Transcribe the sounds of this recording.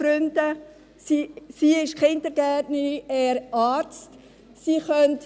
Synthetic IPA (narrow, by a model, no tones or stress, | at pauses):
fɾʏndə | sisiːɪʃkʰɪndəɾɡ̥ætnəɾiɛːɾɑːɾt͡st | siːχœnt